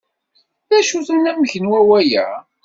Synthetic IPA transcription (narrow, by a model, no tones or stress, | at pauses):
ðæʃuθənːæməçənwæwæjæ̰